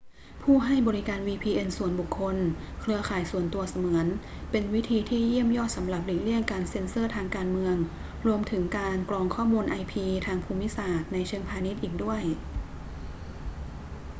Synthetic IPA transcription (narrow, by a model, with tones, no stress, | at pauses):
pʰuː˥˩ɦa˥˩jbɔː˧ɾi˦˥kaː˧nwiː˧pʰiː˧ʔe˧nsu˨˩ənbu˨˩kʰːo˧nkʰɾɯ˧ɐkʰaː˨˩jsu˨˩ənt̪u˧ɐsa˧mɯ˩˦ən | pe˧nwi˦˥t̪ʰiː˧t̪ʰiː˧˩ji˥˩əmjɔː˥˩t̪̚sa˩˦mɾa˨˩p̚liː˨˩li˥˩əŋkaː˧nse˧nsɯː˥˩t̪ʰaː˧ŋkaː˧nmɯ˧əŋ | ɾu˧əmt̪ʰɯ˩˦ŋkaː˧nklɔː˧ŋkʰɔː˥˩muː˧nʔa˧jpʰiː˧t̪ʰaː˧ŋpʰuː˧mːi˦˥saː˨˩t̪̚na˧jt͡ɕʰɤ˧əŋpʰaː˧ni˦˥t̪̚ʔiː˨˩k̚du˥˩əj